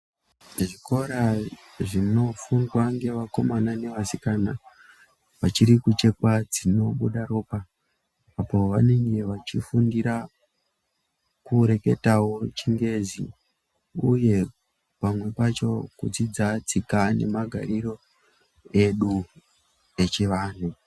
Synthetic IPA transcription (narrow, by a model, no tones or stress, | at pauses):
ʐiko̞ɾa | ʐino̞fundwaŋɡe̞ʋako̞manane̞ʋasikana | ʋat͡ʃiɾikut͡ʃe̞kwad͡zino̞ɓuɗaro̞ːpaː | po̞ʋane̞ŋɡe̞ʋat͡ʃifundiɾa | kuɾe̞ke̞̰tawo̞t͡ʃiŋɡe̞zḭ | uje̞ | pamwe̞pat͡ʃo̞kud͡zid͡zat͡sikane̞̰maɡʱaɾiro̞ | e̞ɗu | e̞t͡ʃeʋaːn̤u